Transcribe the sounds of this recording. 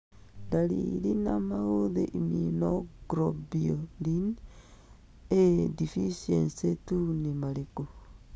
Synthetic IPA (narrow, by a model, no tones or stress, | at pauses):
ndalḭlinamahoðḛʔiminoɡɾobiolin | edifisensetunimaleku